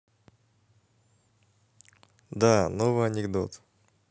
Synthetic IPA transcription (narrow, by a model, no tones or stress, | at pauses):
d̪anovɨjɐnʲɪɡd̪o̰t̪